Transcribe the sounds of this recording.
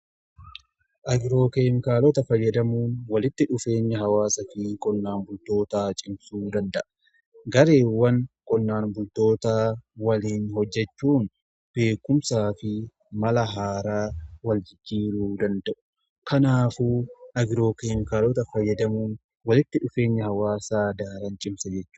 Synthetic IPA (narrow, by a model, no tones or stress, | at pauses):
ʔɐɡɪɾo̞ːkeːmɪkaːlɔt̪ɐfɐjːɐd̪ɐmuːnwɐlɪt̪ːɪᶑʊfe̞ːɲːɐɦɐwaːsɐfɪkʼɔnːaːnbʊlt̪o̞ːt̪aːt͡ʃʼɪmsuːd̪ɐnd̪ɐʔɐ̥ | ɡɐɾe̞ːwːɐnkʼɔnːaːnbʊlt̪o̞ːt̪aːwɐliːnhɔd͡ʒːɛt͡ʃːuːn | b̥e̞ːkːʊmsaːfɪ | mɐlɐɦaːɾaːwɐld͡ʒɪd͡ʒːiːɾuːd̪ɐnd̪ɐʔʊ̥ | kʰɐnaːfuɐɡɪɾo̞ːkeːmɪkaːloːt̪ɐfɐjːɐd̪ɐmuːn | wɐlɪt̪ːɪᶑʊfe̞ːɲːɐɦɐwaːsaːd̪aːɾɐnt͡ʃʼɪmsɐd͡ʒɛt͡ʃːu̥ː